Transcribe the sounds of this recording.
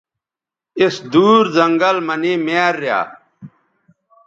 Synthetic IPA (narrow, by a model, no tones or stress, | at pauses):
isd̪uːɾzɐŋɡəlmɐniːmeːɾːja̰ː